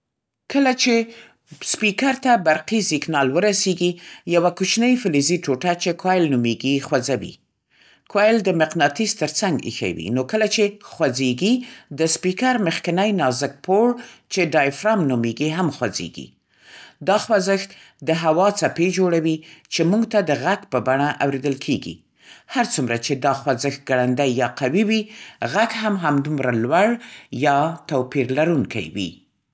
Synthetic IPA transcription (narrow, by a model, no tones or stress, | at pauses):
kəlat͡ʃe | spikaɾt̪abaɾqisiknɑlwəɾaseɡijawakut͡ʃnəjfɪliziʈoʈat͡ʃekwajlnumeɡixwazawḭ | kwajld̪əmɪqnɑt̪ist̪əɾt͡saŋɡḭxa̰wḭnokəlat͡ʃexwad͡zeɡid̪əspikaɾməxkɪnajnɑzɪk̚poɽt͡ʃeɖɑjfɾɑmnumeɡiɦamxwazḛɡḭ | d̪ɑxwazɪxt̪ | d̪əɦawɑt͡saped͡ʒoɽawit͡ʃemuŋɡt̪ad̪əɣaɡpəbaɳaʔawɾed̪əlkʰeɡḭ | haɾt͡sumɾat͡ʃed̪ɑxwazəxt̪̚ɡaɽand̪ajːɑqawiwiɣakɦamɦamd̪umɾalwaɽjɑt̪awpiɾlaɾuŋkʰa̰jwḭ